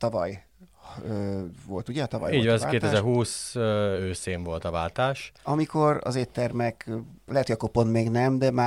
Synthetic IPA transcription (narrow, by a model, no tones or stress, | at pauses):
t̪ɒvɒ̰j | øvolt̪uɟɛɒt̪ɒvɒ̰jiːvɛaːeːt̪ɛzɛrɦuːsøøːseːɱvo̞lt̪ɒvaːlt̪aːʃɒmiko̞ɾɒ̰zeːt̪ːɛrmɛklɛɦɛt̪hojɒkoponmeːɡnɛmd̪ɛmaː